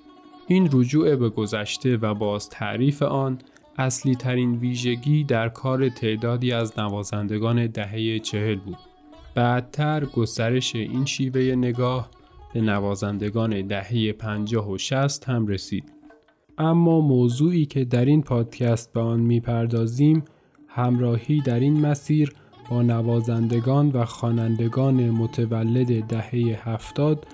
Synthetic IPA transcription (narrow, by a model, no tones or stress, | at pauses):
ʔiːnɾod͡ʒuːe̞be̞ɡo̞zæʃt̪e̞væbɒːz̥t̪ʰæ̰ʔɾiːfe̞ʔɒːn | ʔæsliːt̪ʰæɾiːnviːʒe̞ɟiːd̪æɾkʰɒːɾe̞t̪ʰe̞ʔd̪ɒːd̪iːæznævɒːzænd̪e̞ɡɒːne̞d̪æɦejet͡ʃʰe̞he̞lbuːd̪̥̚ | b̥æd̪̚t̪ʰːæɾɡo̞st̪æɾe̞ʃe̞ʔiːnʃiːve̞je̞ne̞ɡɒːh | b̥e̞nævɒːzænd̪e̞ɡɒːne̞d̪æhe̞je̞pʰænd͡ʒɒːɦoʃæst̪hæmɾe̞siːd̪̥ | ʔæmːɒːmoːzuːiːcʰe̞d̪æɾiːnpʰɒːd̪̥cʰæst̪̚beɒːnmiːpʰæɾd̪ɒːziːm | hæmɾɒːhiːd̪æɾinmæsiːɾ | b̥ɒːnævɒːzænd̪e̞ɡɒːnvæxɒːnænd̪e̞ɡɒːne̞mot̪ʰevælːe̞d̪ed̪æhe̞jehæft̪ɒːd̪